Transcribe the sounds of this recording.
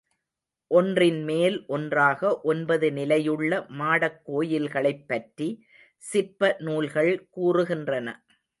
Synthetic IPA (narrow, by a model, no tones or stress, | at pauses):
ʔɔndrɪnmeːlʔɔndraːɣɐʔɔnbɐðɯnɪlɐjɯɭːɐmaːɽɐkːoːjɪlɣɐɭɐɪpːɐʈri | sɪpːɐnuːlɣɐɭkuːrɯɣɪndrɐnɐ̰